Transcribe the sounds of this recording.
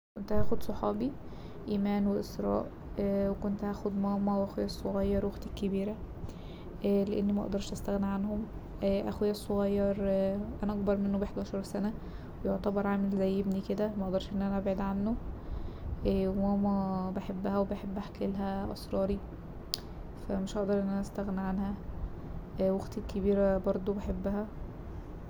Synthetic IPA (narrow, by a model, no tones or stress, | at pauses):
kont̪hæːxod̪sˤoħɑːbi | ʔiːmæːnweʔesɾˤɑ̰ːʔ | wekont̪hæːxod̪mɑːmːæwʔæxejːæsˤːoɣɑjːɑɾwoxt̪ækːebiːɾæ | ʔleʔenːimæʔɑ̰ʔd̪ɑɾˤʃʔæst̪æɣniʕanhom | ʔæʔæxejːæsˤːoɣæjːɑɾˤʔænæʔɑɡ̚bɑɾˤmenːobeħd̪ɑːʃɑɾˤsænæ | wejoʕt̪æbɑɾˤʕaːmelzæjːebniked̪æmæʔd̪ˤɑˤɾˤʃʔenːʔænæʔæbʕiːd̪ʕanːo | ʔæwæmæbeħebːæhæwebeħebːʔæħkelɦæʔɑ̰sˤɾˤɑːɾi | fæmeʃʔɑʔd̪ɑɾˤʔenːʔænæʔæst̪æɣniʕanhæ | wɑɡt̪ekʰːebiːɾæbɑɾˤd̪ˤobeħebːæɦæ